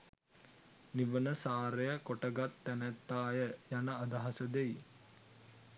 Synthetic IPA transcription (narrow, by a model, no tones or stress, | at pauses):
niʋənəsaːɾejəkoʈəɡat̪ːænæt̪ːaːjəjanəad̪aɦɐsəd̪ej